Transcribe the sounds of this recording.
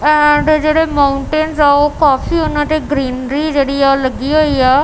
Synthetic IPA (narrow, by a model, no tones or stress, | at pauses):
ɛ̃ɳɖd͡ʑeːɽemaʊ̃ɳʈenzaokaːfiɦʊnə̃ʈ̪eɡɾiːnɾid͡ʑeːɽialɐɡioiaː